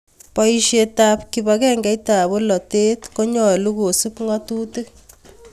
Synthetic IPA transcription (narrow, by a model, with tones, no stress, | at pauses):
pɔ˦iʃetap̚kibakɛ˦ŋɡɛ˦jta˨bo˦lɔ˨te˦tko˦ɲɔ˨luko˨su˦pŋɔ˦tuː˦tɨ˦k